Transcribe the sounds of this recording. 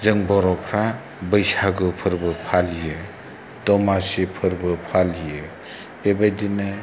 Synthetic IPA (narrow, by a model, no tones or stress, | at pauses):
zɯŋbɔɾɔpʰɾa | bɯjsaɡɯpʰɯɾbɯpʰalijɯ | dɔmasipʰɯɾbɯpʰalijɯ | bebajdinɯ